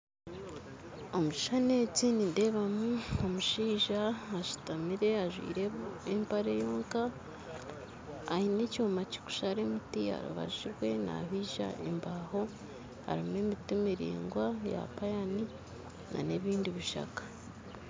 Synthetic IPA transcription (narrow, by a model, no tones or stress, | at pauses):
o̞muʃi̥ʃane̞ːt͡sininde̞βamuomuʃiːʒaaʃu̥tamiɾe̞aʒwḭːɾeempaɾejo̞ːŋka | hinecoomaci̥ku̥ʃaɾe̞mutia̰ɾṵβa̰ʒiɾwe̞na̰βiːʒa̰ʔḛmbaːho̞ | ha̰ɾimemitumiɾḭːŋɡwaja̰pajani | na̰ne̞βiːndiβiʃa̰kḁ